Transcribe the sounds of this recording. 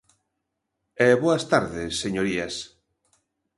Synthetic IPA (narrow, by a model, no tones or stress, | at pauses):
ɛβoɐst̪aɾðesːeɲoɾias